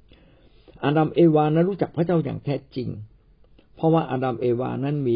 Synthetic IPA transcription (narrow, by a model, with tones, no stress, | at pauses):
ʔaː˧da˧mʔeː˧waː˧naː˦˥nɾu˦˥˩t͡ɕa˨˩k̚pʰa˦˥˩t͡ɕa˥˩wja̰ː˨˩ŋt̪ʰɛː˦˥˩t͡ɕi˧ŋ | pʰɔ˦˥waː˥˩ʔaː˧da˧mʔeː˧wa̰ː˧na˦˥˨nmiː˧